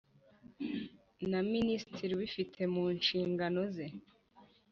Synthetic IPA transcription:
naministiɾiwifitʰe̞muːnʃiːŋɡano̞ze̞

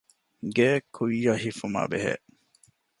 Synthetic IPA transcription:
ɡeːkʰujːɐhifuma̰ːbeɦḛʔ

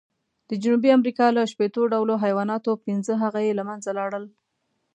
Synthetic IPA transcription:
d̪̥əd͡ʒunubiamɾikɑləʃpet̪oɖawloɦajwɑnɑt̪opɪnzəɦaɣajelamanzalɑɽəl

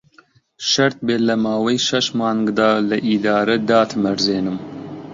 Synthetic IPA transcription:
ʃɐɾt̪̚beːlɐmɑːwɐjʃɐʃmɑːŋɡd̪ɑːlɐʔid̪ɑːɾɐd̪ɑːt̪ʰɨmɐɾzeːnɨm

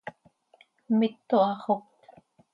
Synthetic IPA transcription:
mɪt̪ːuɑʁokt̪

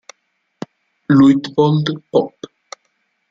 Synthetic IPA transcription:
lujtbɔndpɔp

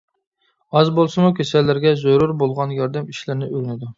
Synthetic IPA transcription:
ɑzbolˠsɨmukʲʰesɛlːɪɾɡʲɛzoɾuɾbolˠʁɑnjɑɾd̪ɛmiʃlɪɾnɪøɾynɪd̪u

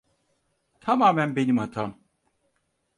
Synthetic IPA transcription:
t̪ʰamaːmænbe̞nimhat̪ʰam

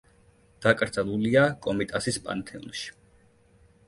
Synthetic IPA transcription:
d̪̥akʼɾd̪zalˠuliakʼɔmit̪ʼasispʼa̰nt̪ʰɛṵnʃi̥

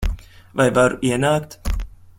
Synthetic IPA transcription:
vajvaɾuʔiɛnaːkt̪

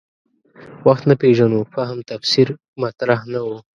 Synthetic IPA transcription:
waxt̪napeʒanoxaɦamt̪afsiɾ | mat̪ɾahnawu

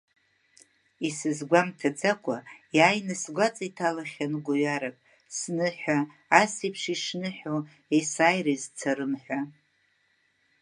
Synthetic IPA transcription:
isɨzɡʷamtʰad͡zakʷʰʼajaːjnɨsɡʷat͡sʼaitʰalaχʲanɡʷaɥaɾapʼ | snɨħʷᶣaː | sipʰʂiʂnɨħo | esaːjrezt͡sʰaɾɨmħᶣʷa

